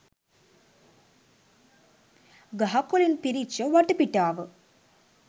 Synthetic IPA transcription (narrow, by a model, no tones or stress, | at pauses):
ɡɐɦɐkːolinpiɾit͡ʃːɐʋɐʈːɨpiʈːaːʋɨ